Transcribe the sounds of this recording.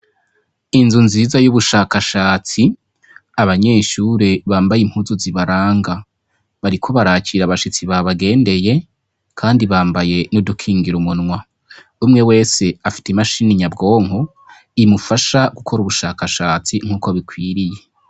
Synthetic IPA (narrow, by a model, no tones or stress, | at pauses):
inzunziːzajuβuʃaːkaʃaːt͡si | aβaɲe̞ːʃuɾe̞βaːmbajim̥huzuziβaɾaːŋɡa | βaɾikʰo̞βaɾaːt͡ʃiːɾaβaʃit͡siβaβaɡe̞ːnde̞je̞ | kʰaːndiβaːmbaje̞nudukʰiːŋɡiɾumunŋwa | umŋewe̞ːse̞afi̥temaʃiːniɲabɡo̞ːŋho | imufaʃaɡukʰo̞ɾuβuʃaːkaʃaːt͡siŋ̥uːkoβikwiːɾije̞